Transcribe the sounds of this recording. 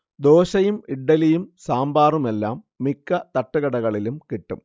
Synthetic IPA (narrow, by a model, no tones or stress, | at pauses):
d̪oːɕɐjumiɖːɐlijumsaːmbaːrume̞lːaːmːikːɐt̪ɐʈːuɣɐɽɐɣɐɭilumkiʈːum